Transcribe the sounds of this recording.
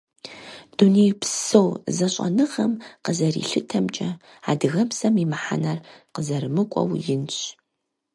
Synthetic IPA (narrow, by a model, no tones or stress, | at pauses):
d̥unejpsowzɐɕʼɐ̰nɨʁɐmqəzɐrḭɬɨtʰɐmt͡ʃʼɐ | aːdɨɣɐpsɐmimɨħa̰nɐrqəzɐɾɨmɨkʷʼɔ̰wjɪnɕʼ